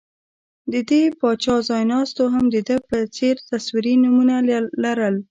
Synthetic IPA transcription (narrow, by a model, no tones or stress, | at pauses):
d̪əd̪epɑt͡ʃɑzɑjnɑst̪oɦamd̪əd̪əpət͡seɾt̪aswiɾinumunalːaɾəl